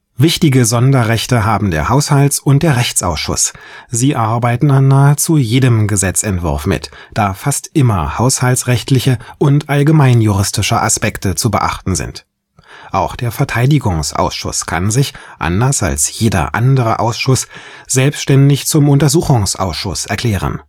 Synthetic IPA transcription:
vɪçtɪɡəzɔndɐʁɛçtəɦaːbm̩deːɐhaʊshaltsʊnt̚d̥eːɐʁɛçt͡sʔaʊsʃʊ̰sz̥iːʔaɐbaɪtn̩anːaːət͡sujeːdəmɡəzɛt͡sɛntv̥ʊ̰ɐfmɪ̰t | d̥aːfastʔɪmɐhaʊshalsʁɛçtʰlɪçəʔʊntʔalɡəmaɪnjuʁɪstɪʃəʔa̰spɛktət͡subə̰ʔa̰χtn̩zɪ̰nt | ʔaʊxd̥eːɐfɛɐtʰaɪdɪɡʊŋsʔa̰ʊsʃʊ̰skʰa̰nzɪçʔa̰ndɐsa̰lsjeːdɐ̰ʔa̰ndəʁə̰ʔa̰ʊsʃʊsz̥ɛlpstʃtɛndɪçt͡sʊmʊntɐzuːxʊŋsʔa̰ʊsʃʊ̰sʔɛɐkʰl̥ɛːʁ̞ə̰n

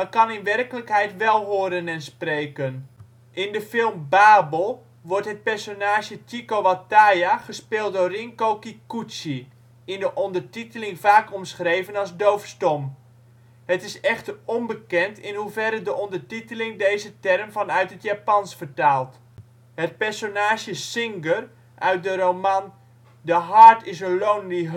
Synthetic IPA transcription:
mɑnkɑnɪnʋɛrkələkɦɛjtʋɛlˠɦoːəɾənɛnsprejkən | ʔɪndəfɪlˠmbaːbəlˠ | ʋɔrtɦət̚pɛrsonaːʃətikoʋatajaχəspɪːlˠt̚dorɪŋkowkikusi | ɪndəʔɔndərtitəlɪŋvaːkɔmsχrejvənɑzdowfstɔm | hətɪsɛχtəɔmbəkɛntɪnɦuvɛɾədəʔɔndərtitəlɪŋdejzətɛrmfɑnœɥtɦətjaːpɑnsfərtaːlˠt | hət̚pɛɹsonaːʃjəsɪŋɡər | ʔœɥt̚dəromɑn | dəɦaɹtɪsənlowndi

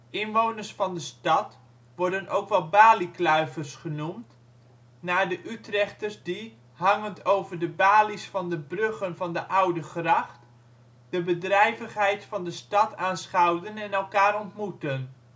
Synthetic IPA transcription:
ɪnʋownərsfɑndəstɑt | ʋɔɹdənʔowkʋɛlˠbaːliklœɥvərsχənumt | naːdəʔytrɛχtəɹzdi | ɦɑŋəntowvəɹdəbaːlisfɑndəbrɵχənvɑndəʔʌwdəχrɑχt | d̥əbədrɛjvəχɦɛjtfɑndəstɑtaːnsχɑwdənɛnɛlˠkaːɾɔntmutən

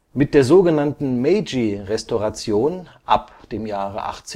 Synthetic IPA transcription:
mɪt̚d̥eːɐzoːɡənantn̩mɛɪd͡ʒiʁɛstoʁat͡sjoːnʔa̰pd̥eːmjaːʁə̰ʔa̰χt͡s

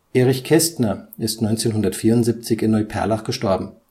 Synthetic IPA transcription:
ʔeːʁɪçkʰɛstnɐɪstnɔʏnt͡seːnɦʊndɐtfiːɐʊntz̥iːp̚t͡sɪçɪnːɔʏpʰɛ̰ɐlaχɡ̥əʃtɔɐbm̩

